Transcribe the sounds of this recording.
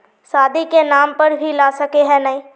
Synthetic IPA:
saːd̪ʱikenaːmpɐɾbʱilaːsɐkeɦɛ̃nɐĩː

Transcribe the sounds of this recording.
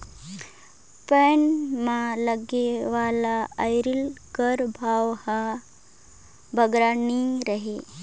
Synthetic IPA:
peɳmãləɡeʋalaəjɾilkəɾbʱaʋha | bʱəɡɾaniɾəɦe

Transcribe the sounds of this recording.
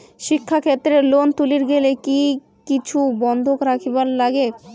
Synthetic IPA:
ʃikʰːakʰet̪ːɾelont̪uliɾɡeleki | kit͡ɕʰubɔnd̪ʱokɾakʰibaɾlaɡe

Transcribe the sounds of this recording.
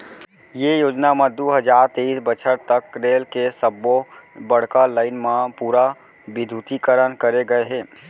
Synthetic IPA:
jejoːd͡ʒnamẽd̪uːɦəd͡ʒaːɾt̪eisbət͡ʃʰəɾt̪əkɾeːlkesəbːobəɽ̤kalaːɪnmãpuːɾa | bɪd̪ʱut̪ikəɾənkəɾeɡəeɦɛ̃ː

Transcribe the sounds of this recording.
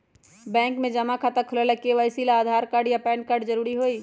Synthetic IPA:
bɛ̃ːŋkmẽd͡ʒɐmakʰaːt̪ɐkʰʊlalɐkeʋaɪsilaːd̪ʱaːɾkaɾɖjapɛːnkaːɾɖd͡ʒɐɾuːɾiɦoːiː

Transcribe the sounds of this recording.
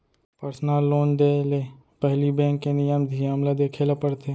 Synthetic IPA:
pəɾsnaːlːoːnd̪eːleː | pəɦlibɛ̃ːkːenɪjəmd̪ʱijamlad̪eːkʰeːlapəɽt̪ʰeː

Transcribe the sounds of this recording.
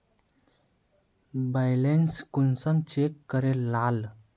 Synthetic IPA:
bajlenskunsəmt͡ɕekːəɾelal

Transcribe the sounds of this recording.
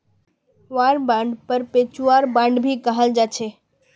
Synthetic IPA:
ʋaːɾbãɳɖpəɾpet͡ʃuaːɾbãɳɖbʱikəɦəld͡ʒat͡ʃʰeː

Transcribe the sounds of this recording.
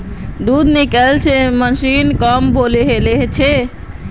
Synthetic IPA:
d̪ud̪nikɛlt͡ʃʰeməsinkəmboleɦeleɦt͡ʃʰe

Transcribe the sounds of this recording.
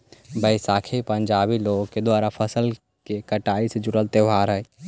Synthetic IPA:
bəɪsaːkʰepə̃ɲd͡ʒaːbiloːɡked̪waːɾapʰəsəl | kekəʈaːised͡ʒʊɽəlt̪eʋʱaːɾɦəj

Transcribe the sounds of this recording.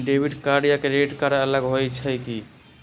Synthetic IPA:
ɖebʱiɖkaɽijakeɾeʈkaɾaələɡɦojt͡ʃʰəjki

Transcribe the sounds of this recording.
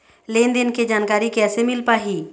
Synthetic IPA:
leːnd̪ɪnked͡ʒaːnkaːɾikɛːsemɪlpaːɦiː

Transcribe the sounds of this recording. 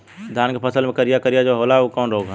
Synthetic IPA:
d̪ʱaːnkepʰəsəlmẽkəɾijakəɾijad͡ʒoɦoːlaokɔːnɾoːɡ

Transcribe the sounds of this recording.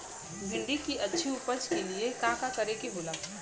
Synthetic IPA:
bʱɪ̃ɳɖikiʔɐtːʃʰiupət͡ʃkeliekãːkakɐɾekibʊlaː

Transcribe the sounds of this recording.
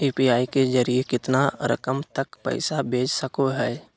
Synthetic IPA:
iːpiaːikezɐɾiekɪt̪naɾɐ̰kəmt̪əkpɛ̰ɪsabʱeːd͡ʒsəkoɦɛː

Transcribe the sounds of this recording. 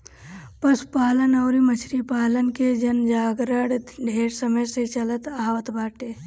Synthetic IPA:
pəspaːlənɐʊɾimət͡ʃʰɾipaːlənked͡ʒənd͡ʒaːɡɾəɽɖʱeːɾsəməjset͡ʃələt̪aːʋət̪baːʈeː

